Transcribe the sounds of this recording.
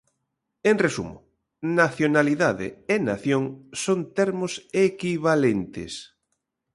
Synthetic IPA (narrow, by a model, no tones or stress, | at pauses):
eŋresṵmʊ | naθjonaliðaðɪ̰ena̰θjoŋsont̪eɾmʊsekiβalent̪ɪ̰s